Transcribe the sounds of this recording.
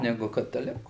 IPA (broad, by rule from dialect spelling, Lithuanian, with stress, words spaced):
ˈnʲæːɡʊ kɐtɐˈlʲɪkʊ